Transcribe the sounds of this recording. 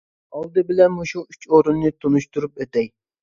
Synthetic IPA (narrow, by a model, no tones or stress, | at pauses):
ɑlˠd̪ɨbɪlɛnmuʃuyt͡ʃoɾunːɨt̪ʰonuʃt̪uɾupet̪ɛj